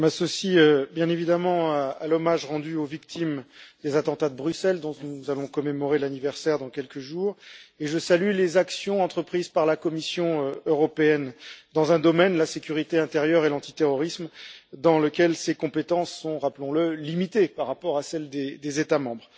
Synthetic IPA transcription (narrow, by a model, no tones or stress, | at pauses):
masɔsiøbjɛ̃nevid̪amɑ̃aalɔmaʒʁɑ̃d̪yovik̚t̪ʰimd̪̥ezat̪ɑ̃t̪ad̪əbʁysɛld̪ɔ̃nuzalɔ̃kɔmemɔʁelanivɛʁsɛʁd̪ɑ̃kʲɛlkəʒuːʁeʒəsalylezaksjɔ̃ɑ̃t̪χəpχizpaʁlakɔmisjɔ̃øøʁɔpeɛnd̪ɑ̃zɛ̃d̪ɔmɛnlasekʲyʁit̪eɛ̃t̪eʁjœʁelɑ̃t̪i̥t̪eʁɔʁismd̪ɑ̃lekʲɛlsekɔ̃pet̪ɑ̃sːɔ̃ʁaplɔ̃ləlimit̪epaʁːapɔʁasɛld̪ed̪ezet̪amɑ̃bʁ